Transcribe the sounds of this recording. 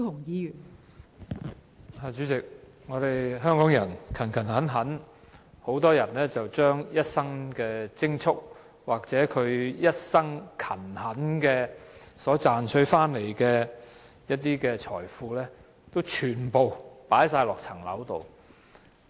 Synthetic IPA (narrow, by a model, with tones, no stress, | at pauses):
ʊ˨˩ŋjiː˨˧jyː˨˩n | aː˧˩t͡ʃyː˨˥t͡sɪ˨k̚ | ŋɔː˨˧ɾe˨jɦœː˥ŋkɔː˨˥ŋjɐ˨˩nkʰɐ˨˩nkʰɐ˨˩nhɐ˨˥nɦɐ˨˥n | ho˨˥wt̪ɔː˥jɐ˨˩nlɛː˥t͡sɐ˨wt͡ʃœː˥ŋjɐ˥t̚sɐ˥ŋkɛː˧t͡sɪ˥ŋt͡ʃʰʊ˥k̚ | waː˨k̚t͡sɛː˨˥kʰɵ˨˧ɥjɐ˥t̚sɐ˥ŋkʰɐ˨˩nhɐ˨˥nkɛː˧ | sɔː˨˥t͡saː˨nt͡ʃʰɵ˨˧˥ɥfaː˥nle˨˩jkɛː˧ | jɐ˥t̚t̪iː˥kɛː˧t͡ʃʰɔ̰ː˨˩jfuː˧lɛː˥ | t̪o˥wt͡ʃʰyː˨˩npo˨wpaː˨˥jsaː˧jlɔː˨k̚t͡sʰɐ˨˩ŋlɐ̰˨˥wt̪o̰˨w